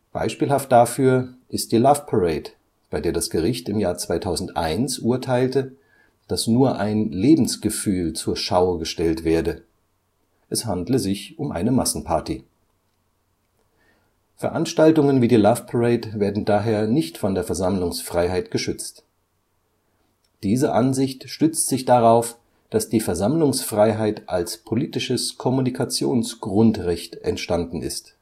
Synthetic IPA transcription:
b̥a̰ɪʃpiːlhaft̚d̥afyːɐʔɪst̚d̥iːlaːfpʰəʁeɪt | b̥aɪdeːɐdasɡ̥əʁɪçtɪmjaːɐt͡sv̥aɪtʰaʊzn̩tʔa̰ɪnsʔuɐtʰaɪltə | d̥asnuːɐʔaɪnleːbm̩sɡ̥əfyːlt͡suːɐʃaʊɡəʃtɛltv̥eːɐdə | ʔɛshandləzɪçʔʊmʔa̰ɪnəmasn̩pʰaɐti | fɛɐʔanʃtaltʊŋənviːdiːlafpʰəʁeɪtveːɐdn̩daːɦeːɐnɪçtfɔndeːɐfɛɐzamlʊŋsfʁ̥aɪɦaɪtɡ̥əʃʏt͡st | d̥iːzəʔanzɪçtʃtʏt͡stz̥ɪçd̥aʁ̞aʊf | d̥asd̥iːfɛɐzamlʊŋsfʁ̥aɪɦaɪtʔalspʰoliːtɪʃəskʰɔmunikʰat͡sjo̰ːnsɡ̥ʁʊntʁɛçtʔɛ̰ntʃtandn̩ɪ̰st

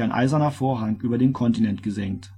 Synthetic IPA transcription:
aɪnʔa̰ɪzɐnɐfoːɐɦaŋʔyːbɐdeːnkʰɔntinɛntɡ̥əzɛŋkt

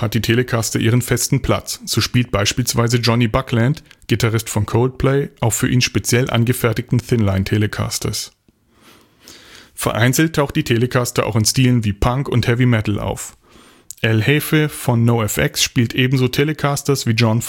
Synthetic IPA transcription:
hat̚d̥iːtʰeːləkʰastɐʔiːʁənfɛstn̩pʰl̥a̰t͡sz̥oːʃpiːlt̚b̥aɪʃpiːlsv̥aɪzəd͡ʒɔnibaklɛntɡ̥itʰaʁɪstfɔnkʰoʊlt̚pʰl̥ɛɪʔaʊffyːɐʔiːnʃpet͡sjɛlʔa̰nɡəfɛɐtɪçtn̩θɪnlaɪntʰeːləkʰa̰ːstʰɐ̰s | fɛɐʔaɪnt͡sl̩tʰːaʊxt̚d̥iːtʰeːləkʰastɐʔa̰ʊxɪnstiːlənviːpʰaŋkʊnthɛvimɛtl̩ʔa̰ʊf | ʔɛlheːfəfɔnːoʊɛfʔɛksʃpiːltʔeːbm̩zoːtʰeːləkʰaːstɐsv̥iːd͡ʒɔn

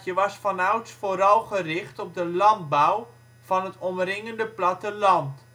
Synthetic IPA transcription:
jəʋɑsfɑnœwtfoːɾɑlˠχərɪχtɔb̚dəlɑnd̚bəw | v̥ɑnɦətɔmrɪŋəndəplɑtəlɑnt

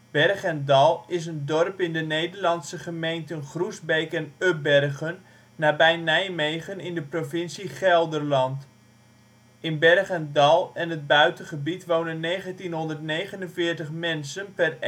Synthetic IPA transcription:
b̥ɛrχɛndɑlˠɪs̬əndɔrpɪndənejdərlɑnsəχəmejntənχruzbejkɛnøbɛrχənː | aːbɛjnɛjmejɣənɪndəprofɪnsiχɛlˠdərlɑnt | ɪnbɛrχəndɑlˠɛnəd̚bœɥtəχəbitʋownənːejɣəntinɦɔndərtnejɣənənfɪːrtəχmɛnsənpɛr

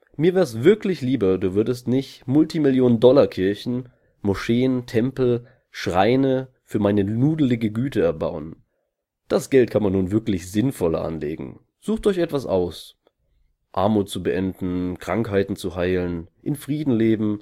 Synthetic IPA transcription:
miːɐvɛːɐsv̥ɪɐklɪçliːbɐduːvʏɐdəstnɪçtmʊltimɪljoːnəndɔlɐkʰɪɐçn̩ | moʃeːəntʰɛmpl̩ | ʃʁ̥aɪnə | fyːɐmaɪnənuːdl̩ɪɡəɡyːtəɛɐba̰ʊən | d̥asɡ̥ɛltkʰanmanːuːnvɪɐklɪçz̥ɪnfɔlɐ̰ʔa̰nlḛːɡŋ̩ | z̥uːxtɔɪçɛtv̥asʔa̰ʊs | ʔaɐmuːt̚t͡subəʔɛndn̩kʁ̥aŋkɦaɪtn̩t͡suhaɪlənʔɪnfʁ̥iːdn̩leːbm̩

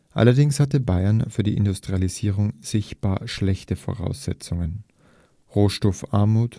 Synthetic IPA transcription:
ʔa̰lɐdɪŋshatəbaɪɐnfyːɐdḭːʔɪndʊstʁ̥ijaliziːʁʊŋz̥ɪçt̚b̥aːɐʃlɛçtəfo̰ʁa̰ʊsz̥ɛ̰t͡sʊŋən | ʁoːʃtɔfʔa̰ɐmuːt

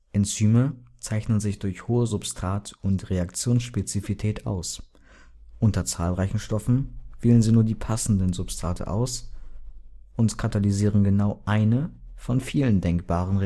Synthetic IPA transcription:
ʔɪnt͡syːmət͡saɪçnənzɪçd̥ʊɐçhoːəzʊpstʁ̥aːtʊntʁeakt͡sjoːnsʃpet͡sifitʰɛːta̰ʊs | ʔʊntɐt͡saːlʁaɪçn̩ʃtɔfn̩v̥iːlənziːnuːɐdiːpʰasn̩dənzʊpstʁ̥aːtʰə̰ʔa̰ʊs | ʔʊntkʰataliziːʁənɡənaʊʔaɪnə | fɔnfiːləndɛŋkb̥aːʁ̞ənʁe

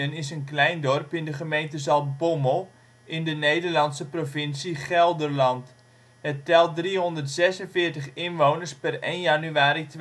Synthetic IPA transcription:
ənɪsənklɛjndɔrpɪndəχəmejntəsɑlˠboməlˠ | ɪndənejdərlɑntsəprofɪnsiχɛlˠdərlɑnt | ɦəttɛlˠt̚driɦondərtsɛsənfɪːrtəχɪnʋownərspərḛjnjanyaːɾit

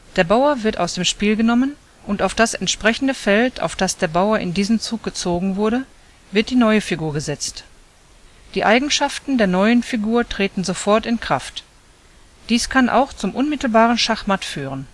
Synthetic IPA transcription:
d̥eːɐbaʊɐvɪɐta̰ʊsd̥eːmʃpiːlɡənɔmən | ʔʊntaʊfd̥asɛntʃpʁ̥ɛçn̩dəfɛltʰa̰ʊfd̥asd̥eːɐbaʊɐʔɪ̰ndiːzn̩t͡suːk̚ɡ̥ət͡soːɡŋ̩vʊɐɾə | vɪɐt̚d̥iːnɔʏəfiɡuːɐɡəzɛt͡st | d̥iːʔaɪɡŋ̩ʃaftn̩deːɐnɔʏənfiɡuːɐtʁ̥eːtn̩zofɔɐtɪnkʁ̥a̰ft | d̥iːskʰanʔa̰ʊxt͡sʊmʔʊnmɪtl̩baːʁənʃaχmatfyːʁən

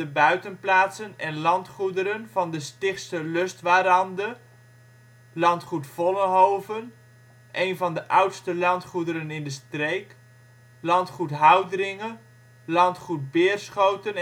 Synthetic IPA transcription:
əbœɥtənplaːtsənɛnlɑntχudəɾənvɑndəstɪxstəløstʋaːɾɑndə | lɑntχutfɔləɦoːvən | ʔejnvɑndəʔœwtstəlɑntχudəɾənɪndəstrejk | lɑntχutɦawdrɪŋə | lɑntχut̚bɪːrsχowtən

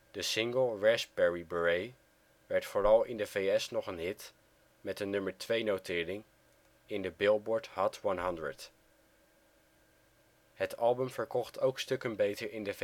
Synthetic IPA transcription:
d̥əsɪŋɡəlˠɹɛsbɛɹibəɹej | ʋɛɹtfʊːɹɑlˠɪ̰ndəvejɛsnɔχənɦɪt | mɛtənːɵməɹtʋejnowtɪːɾɪŋ | ɪndəbɪlˠbɔːɹtɦɑtwɑnɦʌndɹət | hətɑlˠbəmvəɹkɔχtʰowkstɵkənbejtəɹɪndəv

